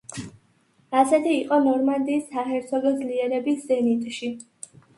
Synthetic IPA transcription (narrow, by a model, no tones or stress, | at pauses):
asɛt̪ʰiːqʼɔnɔɾmand̪iːsːaχɛɾt̪sʰɔɡɛd̪zliɛɾɛbiszɛnit̪ʼʃi